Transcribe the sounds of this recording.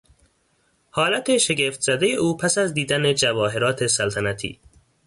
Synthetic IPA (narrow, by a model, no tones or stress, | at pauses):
hɒːlæt̪ʰe̞ʃeɡeft̪z̥æd̪ejeʔuːpʰæsæzd̪iːd̪æned͡ʒævɒːɦe̞ɾɒːt̪ʰe̞sælt̪ʰænæt̪ʰḭː